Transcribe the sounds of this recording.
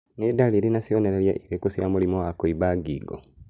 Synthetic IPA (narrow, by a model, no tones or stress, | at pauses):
nedaliɾinasioneɾeljaʔiɾekusjamulimowakoiβaɡiːɡo̰